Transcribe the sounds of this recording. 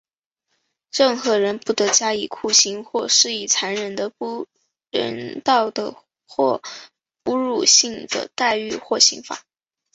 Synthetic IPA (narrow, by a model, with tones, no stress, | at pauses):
ɻə˥˩ŋxɤ˧˥ɻə˧˥npu˥˩t̪ɤ˧˥t͡ɕja˥i˨˩kʰu˥˩ɕi˥ŋxwɔ˥˧ʂɻ̩˥˩i˥˩t͡sʰa˧˥nɻə˨˩nd̪ə˧pu˥˧ | ɻə̰˧˥nt̪ɑ˥˩ʊd̪ə̰˩ | xwɔ˥˧˩ | u˧˥ɻu˨˩ɕi˥˩ŋd̪ə̰˨˩t̪a˥˧ɪy˥˧xwɔ˥˩ɕḭ˧˥ŋfa̰˨˩˦